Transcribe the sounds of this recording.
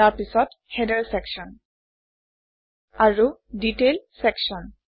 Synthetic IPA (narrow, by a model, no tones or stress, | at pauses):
aɹpisɔt | hɛdəɹsɛkʃɔn | aɹuditelsɛkʃɔn